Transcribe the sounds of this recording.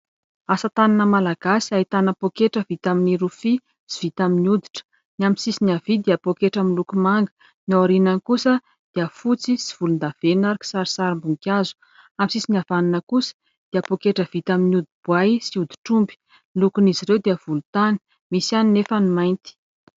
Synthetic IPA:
asət̪ananəmalaɡ̥asi̥ait̪anəpokeʈ͡ʂəvit̪aminiɾufi | siv̥it̪aminiud̪i̥ʈ͡ʂə̥ | niaminsisiniavid̪eapokeʈ͡ʂamilukumaŋɡə̥ | nioɾinankusə | d̪̥iəfut͡sisi̥v̥ulund̪av̥enaɾiki̥saɾisaɾimbuŋkʲazu̥ | amsisinavaninəkusə̥ | d̪̥eəpokeʈ͡ʂəv̥it̪aminiud̪ib̥wajsiud̪i̥ʈ͡ʂumbi̥ | lukuniziɾewd̪eəv̥ulut̪ani̥ | misaninefənimajnt̪i̥

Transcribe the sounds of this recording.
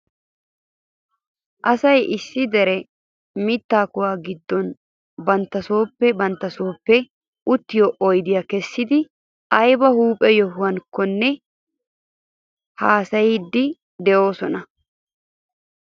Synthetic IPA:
ʔɐsɐjʔɪsːɪd̪ɛɾɛ | mɪt̪ːaːkʊwaːɡɪd̪ːɔn | bɐnt̪ːɐso̞ːpːɛbɐnt̪ːɐso̞ːpːɛ | ʔʊt̪ːɪjoːʔɔjd̪ɪjakɛsːɪd̪ɪ | ʔɐjbɐhuːpʼɛjɔɦʊwɐnkːɔnːɛ | haːsɐjid̪ːɪ | d̪ɛʔo̞ːsɔnɐ

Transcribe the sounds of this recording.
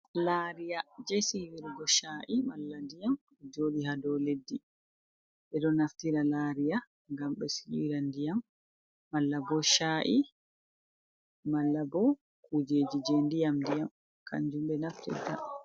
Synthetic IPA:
laːɾijad͡ʒesiwiɾɡɔʃaːʔimalːandijam | ɛd͡ʒoːdiɦadɔledːi | ɓɛdɔnaftiɾalaɾija | ŋɡamɓɛsiwiɾandijamː | alːabɔʃaʔi | malːabɔ | kud͡ʒeːd͡ʒid͡ʒendijamdijam | kʰa̰ɲd͡ʒumbɛnaftḭta̰

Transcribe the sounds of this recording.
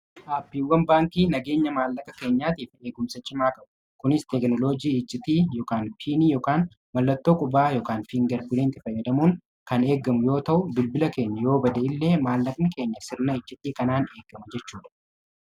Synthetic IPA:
ʔaːpːiːwːɐnbaːŋkiːnɐɡe̞ːɲːɐmaːlːɐkʼɐke̞ːɲːaːt̪iːfe̞ːɡʊmsɐt͡ʃʼːɪmaːkʼɐbʊ̥ | kʊnɪst̪ɛknɔlo̞ːd͡ʒiːɪd͡ʒːɪt̪iːjoːkaːnfiːnijoːkaːn | mɐlːɐt̪ːo̞ːkʼʊbaːjoːkaːnfiːŋɡɐɾbɪleːnt̪ɪfɐjːɐd̪ɐmuːŋ | kɐne̞ːɡɐmʊjo̞ːt̪ɐʔʊbɪlbɪlɐke̞ːɲːɐjo̞ːbɐd̪ɐɪlːe̞ːmaːlːɐkʼnɪke̞ːɲːɐsɪɾnɐɪd͡ʒːɪt̪ʼːiːkɐnaːne̞ːɡːɐmɐd͡ʒɛt͡ʃːuːᶑɐ̥

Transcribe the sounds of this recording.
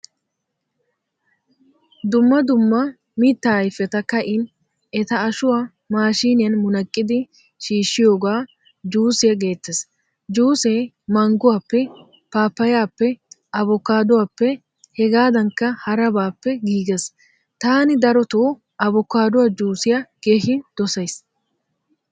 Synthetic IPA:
d̪ʊmːɐd̪ʊmːɐ | miːt̪ːajfɛt̪ɐkɐʔɪn | ɛt̪ɐːʃʊwaː | maːʃiːnɪjɐnmʊnɐkʼːɪd̪ɪ | ʃiːʃːɪjo̞ːɡaː | d͡ʒuːsɪjɐɡe̞ːt̪ːɛs | d͡ʒuːseː | mɐŋɡʊwaːpːɛ | paːpːɐjaːpːɛʔɐbɔkːaːd̪ʊwaːpːɛ | hɛɡaːd̪ɐŋkːɐhɐɾɐbaːpːɛɡiːɡes | t̪aːnɪd̪ɐɾɔt̪oː | ʔɐbɔkːaːd̪ʊwaːd͡ʒuːsɪjɐɡ̥e̞ːhɪnd̪̥ɔsɐjs

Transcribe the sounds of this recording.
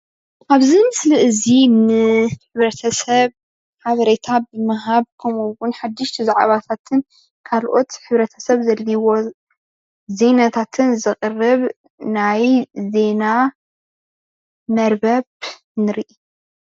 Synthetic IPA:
ʔaβzimɨsliʔɨzinɨħɨβɾɐt̪ʰɐsɐβ | ħaβɐɾet̪ʰabɨmɨɦaβkʰɐmuwʊnħad̪ːɨʃt̪ʰizaʕa̰βat̪ʰat̪ʰɨn | kʰalʔo̞t̪ħɨβɾɐt̪ʰɐ̥sɐβzɐlːiwo̞ | ze̞nat̪ʰat̪ʰɨnzɨqʼɨrɨβ | najze̞na | mɐɾbɐβ | nɨɾiʔi

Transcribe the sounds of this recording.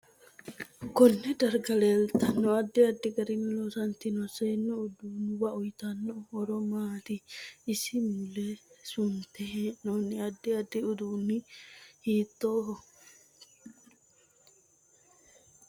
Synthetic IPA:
kɔnːɛd̪ɐɾɡɐleːlt̪ɐnːɔɐd̪ːɪɐd̪ːɪɡɐɾɪnlosɐnt̪ɪnɔseːnːɔʊd̪uːnːɪbɐɔjt̪ɐnːɔhɔɾɔmaːt̪ɪːsɪmʊlesʊnt̪ɛɦeːʔnonːɪɐd̪ːɪɐd̪ːɪʊd̪uːnːɪhiːt̪ːoːɦɔ

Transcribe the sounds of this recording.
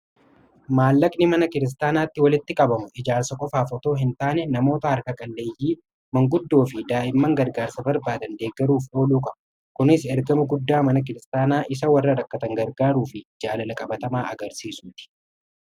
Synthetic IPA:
maːlːɐkʼnɪmɐnɐkɪɾɪs̬t̪aːnaːt̪ːɪwɐlɪt̪ːɪkʼɐbɐmʊʔɪd͡ʒaːɾsɐkʼɔfaːfɔt̪o̞ːɦɪnt̪aːnɛnɐmo̞ːt̪ɐhɐɾkɐkʼɐlːe̞ːjːiː | mɐŋɡʊd̪ːo̞ːfɪd̪aːʔɪmːɐŋɡɐɾɡaːɾsɐbɐɾbaːd̪ɐnd̪e̞ːɡːɐɾuːfʔo̞ːluːkʼɐbɐ̥ | kʊnɪsɛɾɡɐmʊɡʊd̪ːaːmɐnɐk̬ɪɾɪst̪aːnaːʔɪs̬ɐwɐrːɐɾɐkːɐt̪ɐŋɡɐɾɡaːɾuːfɪd͡ʒaːlɐlɐkʼɐbɐt̪ɐmaːʔɐɡɐɾsiːsuːt̪ɪ̥

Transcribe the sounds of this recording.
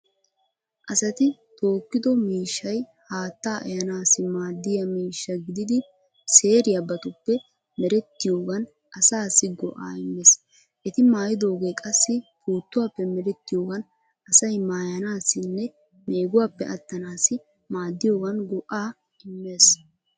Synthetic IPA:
ʔɐsɐt̪ɪt̪o̞ːkːɪd̪ɔmiːʃːɐj | haːt̪ːaːʔɐjɐnaːsɪmaːd̪ːɪjɐmiːʃːɐɡɪd̪ɪd̪ɪ | se̞ːɾɪjɐbɐt̪ʊpːɛ | mɛɾɛt̪ːɪjoːɡɐn | ʔɐsaːsɪɡɔ̰ʔa̰ːɪmːes | ʔɛt̪ɪmaːjɪd̪o̞ːɡe̞ːkʼɐsːɪpʰuːt̪ːʊwaːpːɛmɛɾɛt̪ːɪjo̞ːɡɐn | ɐsɐjmaːjɐnaːsɪnːɛ | meːɡʊwaːpːɛʔɐt̪ːɐnaːsɪ | maːd̪ːɪjo̞ːɡɐnɡɔʔaː | ɪmːe̞ːs

